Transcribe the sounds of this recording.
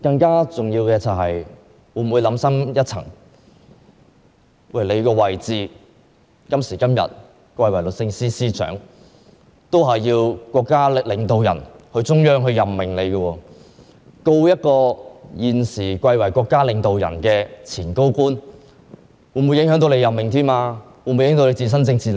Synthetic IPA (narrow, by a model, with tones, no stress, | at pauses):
kɐ˧ŋkaː˥t͡sʊ˨˩ŋjiː˧wkɛː˧t͡sɐ˨wɦɐ˨j | wu˨˧˩wuː˨˧jlɐ˨˥msɐ˥mjɐ˥t̚t͡sʰɐ̰˨˩ŋ | wɐ˥˩jle˨˧jkɔː˧wɐ˨˩jt͡siː˧ | kɐ˥msiː˨˩kɐ˥mjɐ̰˨˩t̚ | kʷɐ˧jwɐ˨˩jlɵ˨t̚sɪ˧ŋsiː˥siː˥t͡ʃœ̰ː˨˥ŋ | t̪o˥wɦɐ˨jːiː˧wkʷwɔː˧kːaː˥lɪ˨˧ŋt̪o˨wjɐ̰˨˩nhɵ˧ɥt͡sʊ˥ŋjœː˥ŋɦɵ˧ɥjɐ˨˩mːɪ˨˩ŋle˨˧jɡə˧wɔː˧ | ko˧wjɐ˥t̚kɔː˧jiː˨nsiː˨˩kʷɐ˧jwɐ˨˩jkʷɔː˧kːaː˥lɪ˨˧ŋt̪o˨wjɐ̰˨˩nkɛː˧t͡sʰiː˨˩nko˥wkuː˥n | wuː˨˩nmu˨˧jɪ˨˥ŋɦœː˨˥ŋt̪o˧wle˨˧jɐ˨˩mːɪ˨ŋt̪ʰiː˥maː˧ | wuː˨˩nmu˧jɪ˨˥t̪o˧wle˨˧t͡siː˨˧˩s̬ɐ˥nt͡sɪ˧ŋt͡sʰiː˨˧